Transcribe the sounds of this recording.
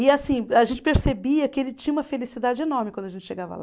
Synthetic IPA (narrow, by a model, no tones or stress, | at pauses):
ɪasĩaʒẽnt͡ʃɪ̥peɾsebiɐkɪelɪt͡ʃĩɲɐũmɐfelisid̪ad͡ʒɪenɔɾmɪkwɐ̃d̪ʊɐʒẽnt͡ʃɪ̥ʃeɡavɐ̰la